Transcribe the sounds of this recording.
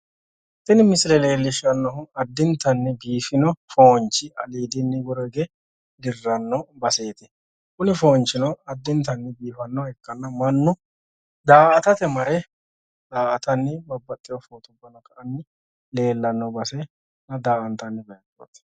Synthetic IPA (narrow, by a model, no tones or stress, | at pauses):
t̪ːɪnɪmɪsɪlɛle̞ːlːɪʃɐnːɔɦʊɐd̪ːɪnt̪ːɐnːɪbiːfɪnɔfoːnt͡ʃːɪʔɐ̰liːd̪ɪnːɪwɔɾɔɡe | d̪ɪrːɐnːɔbɐseːt̪ɪ | kʊnɪfoːnt͡ʃːɪnɔɐd̪ːɪnt̪ɐnːɪbiːfɐnːɔɛkːɐnːɐmɐnːʊ | d̪aːʔɐt̪ɐt̪ɛmɐɾɛ | d̪aːʔɐt̪ɐnːɪbɐbːɐt̪ʼːɪjɔfoːt̪ʊbːɐnɐkʼɐʔɐnːɪ | le̞ːlːɐnːɔbɐsɛ | nɐd̪aːʔɐnt̪ɐnːɪbɐjɐt̪ːo̰ːt̪